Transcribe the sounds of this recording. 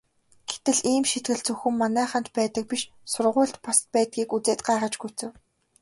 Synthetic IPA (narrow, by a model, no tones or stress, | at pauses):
ɡ̥e̥t̪ɘ̆ɮiːmʃet̪̚ɡɘ̆ɮt͡sɵxɵ̆mːanæːχăn̥t̪pæːt̪ə̆k̚piʃ | sʊrʁʊːɮt̪pɔst̪̚pæːt̪̚ɡʲiːkut͡seːt̪ɢaːʁə̆t͡ɕɡujʰt͡sɘ̆w